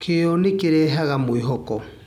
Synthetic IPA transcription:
kʰejɔnekeɾɛɦaɣamweɦɔkɔ

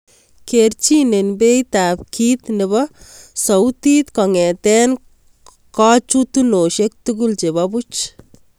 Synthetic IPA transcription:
kert͡ʃinenbejtap̚kʰiːt̪nɛbɔsɔwtit̪kɔŋɛtɛn | kɔt͡ʃutunoʃek̚tuk̬ult͡ʃebabut͡ʃ

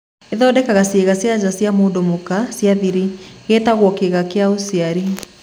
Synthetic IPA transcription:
eðɔdɛkaɣaseɣasjazasiamoːdomukasjaðiɾiɣetaɣwɔkeɣakeaosiaɾi

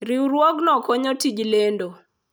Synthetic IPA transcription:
ɾiuɾwɔɡnɔkɔɲɔtid͡ʒlendo

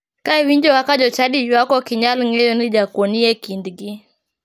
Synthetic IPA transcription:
kaɛwiɲd͡ʒɔwakaʄɔt͡ʃaɗid͡ʒwakɔkiɲalŋɛjɔniʄakɔniɛkindiɡi

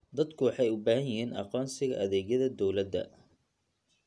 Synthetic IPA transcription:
d̪ɐd̪kʰʊwɑħɑjʊbaːɦɐnjɪɦiːnʔɑ̰qɔːnsɪɣɐʔɐðɛːɣjɐðɐd̪ɔwlɐd̪ɐ̰

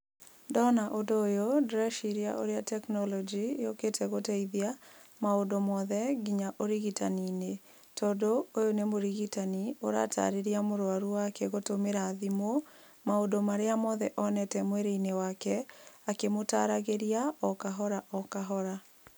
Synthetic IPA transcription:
ndɔnaʔodoːjodɾɛʃiɾia̰ʔo̰ɾeatɛknɔlɔd͡ʒijoketʰɛɣotɛiðia | maodomɔðɛɡiɲaʔoɾiɣitanine | tɔdoojonemoɾiɣitanioɾa̰tʰa̰ɾeɾiamoɾwaɾuakɛɣotomeɾaːðimo | maodomaɾeamɔðɛʔɔnɛtɛmwɛɾeinewakɛakemotaɾaɣeɾiaɔkaɦɔɾaʔɔkaɦɔɾa

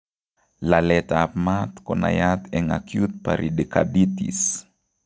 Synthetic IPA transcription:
lalɛt̪apmat̪kona̰jat̪ɛŋakjut̪̚pa̰ɾʔidika̰dit̪ḭs

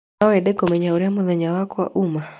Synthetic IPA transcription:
aɔɛdɛkɔmɛɲauɾjamʊðɛɲawakwa̰ʔuma

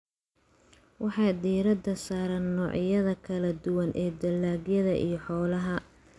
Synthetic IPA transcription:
wɑħɑjd̪iːɾɐd̪ɐsaːɾɐnːɔːʕjɐðɐkʰɐlɐd̪ʊwɐnʔɛːd̪ɐlːaːɡjɐðɐʔḭjɞħɔːlɐɦɐ

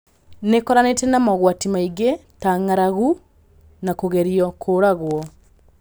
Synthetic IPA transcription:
nekɔɾanetɛnamɔɣwatimaiɣetaŋaɾaɣu | nakoɣeɾijɔkʰoːɾaɣwɔ

